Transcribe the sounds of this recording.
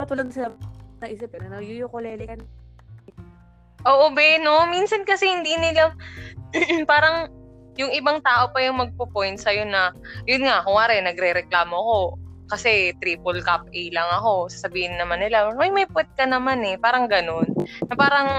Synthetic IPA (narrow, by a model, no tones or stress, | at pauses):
pɐt̪ʊlɐɡ̪sɪanɐʔisɪpɪnɐnɐjʊjʊkolɛlɪkɐn | ʔoːʔobɛno̞minsɐnkɐsɛhɪnd̪iːnɪla | paːɾɐŋ | jʊŋʔɪbaŋt̪aːʔo̞pɐjʊŋmɐɡ̚popo̞jnt̪̚sɐjonɐjʊnŋaʔkʊŋaːɾɛnɐɡɾɛɾɛklaːmo̞ʔɐko̞kɐsɛt̪ɾiːpolkap̚ʔɛjlɐŋɐko̞sɐsɐbiːhɪnːɐmanːɪlamɐjmɐjpwɛt̪̚kɐnɐmanɛpaːɾɐŋɡɐno̞nːɐpaːɾɐŋ